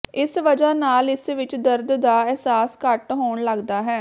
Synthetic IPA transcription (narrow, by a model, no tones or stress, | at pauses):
ɪsʋəd͡ʒaːnaːlɪsʋɪt͡ʃd̪əɾd̪d̪aːɛːsaːskəʈɦoːɳləɡd̪aːɦɛː